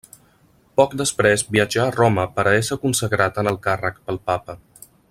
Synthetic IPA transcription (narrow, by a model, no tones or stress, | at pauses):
pɔkd̪əspɾɛzbiəd͡ʒaːroməpəɾəβɛsəkunsəɣɾat̪ənəlˠkarəkpəlˠpapə